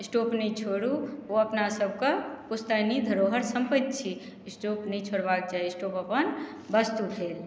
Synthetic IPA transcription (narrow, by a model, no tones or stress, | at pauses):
isʈopnəjt͡ʃʰoɽuoəpnasəb̚ʱkəpust̪ənid̪ʱəɾoɦəɾsəmpət̪̚t͡ʃʰi | sʈopnəjt͡ʃʰoɽbak̚d͡ʒajisʈopəpən | bəst̪upʰel